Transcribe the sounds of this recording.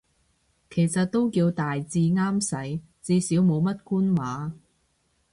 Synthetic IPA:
kʰe˨˩jsɐ˨t̚t̪o˥wkiː˧wt̪aː˨jt͡siː˧ŋaː˥msɐ˨˥j | t͡siː˧siː˨˥wmo˨˧wmɐ˥t̚kuː˥nwaː˨˥

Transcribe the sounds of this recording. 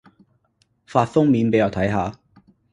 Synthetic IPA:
faː˧tfʊ˥ŋmiː˨˥npe˨˥jɐ˨˩wt̪ʰɐ˨˥jɦaː˨˧

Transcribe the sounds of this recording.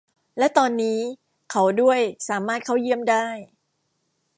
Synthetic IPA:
lɛ˦˥t̪ɔː˧nːiː˦˥ | kʰa˦˥wdu˥˩əjsaː˩˦maː˥˩t̪̚kʰa˦˥˩wji˥˩əmdaː˥˩j

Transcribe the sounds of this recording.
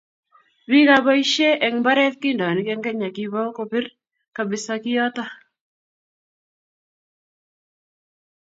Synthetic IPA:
bi˦ɣa˦bɔ˦i˦ʃe˦ʔɛ˨ŋba˦ɾɛ˦ðkɪ˦ndɔ˨nɪ˨kɛ˦ŋɡɛ˦ɲa˨kɪβɔ˦ko˨pɪ˦r | ka˨bɪ˨sa˨kɪ˦ɔ˦t̪a˦

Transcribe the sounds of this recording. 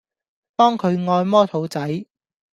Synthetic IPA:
p̪ɔː˥ŋkʰɵ˨˧ɥŋɔː˧jmɔː˥t̪ʰo˨˥wt͡sɐ˨˥j

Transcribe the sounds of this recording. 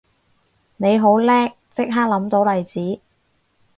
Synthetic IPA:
ne˨˧jɦo˨˥wlɛː˥k̚t͡sɪ˥k̚ɦaː˥k̚lɐ˨˥mt̪o˨˥wlɐ˨jt͡siː˨˥

